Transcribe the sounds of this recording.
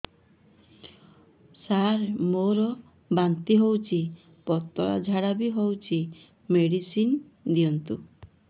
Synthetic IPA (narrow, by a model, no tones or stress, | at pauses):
saɾmoɾɔ | bant̪iɦowt͡ʃʰi | pɔt̪ɔɭɔ̰d͡ʒʱaɽabiɦowt͡ʃʰi | meɽisin | d̪iɔnt̪u